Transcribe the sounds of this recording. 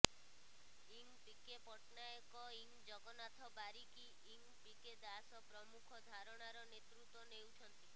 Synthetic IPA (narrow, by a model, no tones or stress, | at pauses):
iŋpikepɔʈnajɔkɔiŋd͡ʒɔɡɔnat̪ʰɔbaɾiki | iŋ | piked̪asɔpɾɔmukʰɔd̪ʱaɾɔɽ̃aɾɔnet̪ɾut̪wɔnewt͡ʃʰɔnt̪i